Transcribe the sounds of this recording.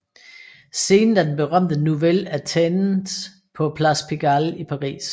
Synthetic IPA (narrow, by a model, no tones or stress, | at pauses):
se̝ːnn̩æd̥enb̥e̝ʁɶm̰d̥ənuʋelæt͡sʰen̩ | pʰɒ̽pʰlæspʰiɡ̥ælipʰɑ̈ʁḭːs